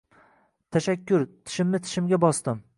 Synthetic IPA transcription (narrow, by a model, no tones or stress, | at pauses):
t̪ʰaʃakʲʰːʊɾt̪ʰɪ̥ʃɪmnɪt̪ʰɪ̥ʃɪmɡʲabɒst̪ɪm